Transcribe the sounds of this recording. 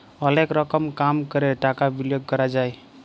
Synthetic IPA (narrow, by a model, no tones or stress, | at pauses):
əlekɾəkəmkamkəɾeʈakabiljoɡ̚kəɾad͡ʒaj